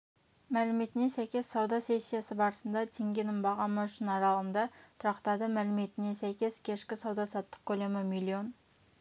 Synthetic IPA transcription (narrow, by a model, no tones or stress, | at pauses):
mælɪmet̪ɪnesæjkʲe̞sɑwd̪ɑse̞sʲːijasəbɑɾəsənd̪ɑt̪ʰeŋɡʲenɪmbɑʁɑnmɑʃɪnɑɾɑlˠənd̪ɑt̪ʰʊɾɑqt̪ɑd̪əmælɪme̞t̪ɪnesæjkʲe̞skʲʰe̞ʃkʲɪsɑwd̪ɑsɑt̪ːə̥q̚kʲʰɵlemɪmilʲːio̞n